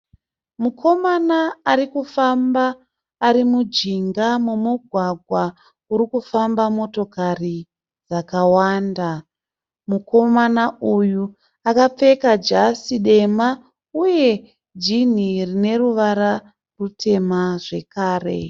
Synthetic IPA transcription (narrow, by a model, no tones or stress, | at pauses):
mukʰo̞manaːrikufambaː | ɾimud͡ʒiŋɡamumuɡʱwaɡʱwa | uɾikufambamo̞to̞kari | d͡zakawaːnda | muko̞manauju | akap͡fe̞kad͡ʒasiɗe̞ma | uje̞ | d͡ʒin̤irine̞ruʋaɾa | rutʰe̞maʐe̞kaːre̞̰